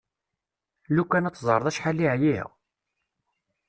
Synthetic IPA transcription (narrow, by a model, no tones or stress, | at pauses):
lukːænæt͡sːzˤəɾˤəðˤæʃħalːiʕjḭʁ